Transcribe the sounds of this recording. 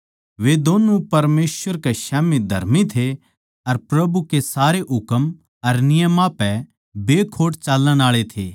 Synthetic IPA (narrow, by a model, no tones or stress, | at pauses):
ʋed̪oːnũpɐɾmeːsʋəɾkeʃaːmid̪ʱɐ̰ɾmit̪ʰe | ɐɾpɾɐbukesaːɾeʔɦʊkəm | ɐɾnɪjəmãpɛ | beːkʰoːʈt͡ʃaːləɽ̃aːɭet̪ʰḛː